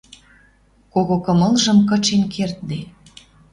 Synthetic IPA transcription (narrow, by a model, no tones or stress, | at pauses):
koɣokɤ̆mɤ̆lʒə̆mkɤ̆t͡ɕenkʰert̪̚d̪e